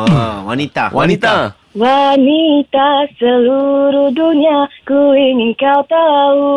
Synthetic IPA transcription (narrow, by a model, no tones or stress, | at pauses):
wanit̪awʔa̰nit̪a | wanit̪asəluɾuhduɲakuiŋiŋkawt̪au